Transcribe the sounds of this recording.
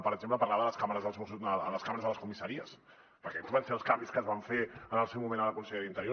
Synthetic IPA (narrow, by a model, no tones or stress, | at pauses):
pəɾəɡ̚zempləpɐɾlaβəðələskaməɾəzðəlˠzusəə̰ləskaməɾəzðələskumisəɾiəs | pəɾkɛt̪uβansfeəlˠskambiskəzβaɱfeənəlˠsɛwmumẽnələkunsəʎeɾint̪əɾjo